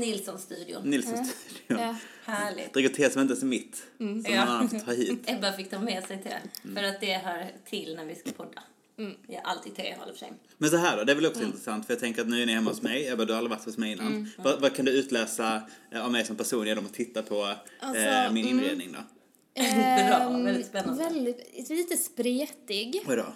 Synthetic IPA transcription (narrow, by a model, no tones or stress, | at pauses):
nɪlsɔnst̪ʉːd̪ɪʊ̰nɪlsɔɔnst̪ʉːd̪ɪʊhæːɭɪ̰d̪̥ɾɪɡət̪ʰeːsɔmɪnt̪əsɔmːɪt̪ːsɔmnɔnanːat̪t̪ʰːɑːɾɦiːt̪ɛbɑɾfɪkːt̪ʰɑːmɛːsɛjt̪ʰɪlfœɾat̪̚d̪ɛɦaɾt̪ʰɪlnæɾvɪskapʰɔd̪ːa̰ | jaʔa̰lt̪ʰiːd̪t̪ʰɾḛhɔ̰lːfəʂɛ̰j | mɛnsɔɦæːɖɔd̪ɛːɾvɛlɔksɔɪnt̪ɾɛsant̪fœjɑt̪ʰɛŋkəɾat̪nʉ̟ːænɪhɛmːahʊsmɛjjabœːd̪ɵhaalɾɪvaʈ̪hʊsmɛjɪnːa̰nd̪vavakʰand̪ɵʉ̟ːt̪lɛːsaavmɛjsɔmpʰæʂuːnjɛd̪ɔmɔt̪ʰɪt̪ːapʰɔ | mɪnɪnɾḛːd̪nɪŋd̪ɔ̰ | ɛlːɪspɛnːvɛld̪ɪliːt̪əspɾeːt̪ɪɡad̪ɑ̰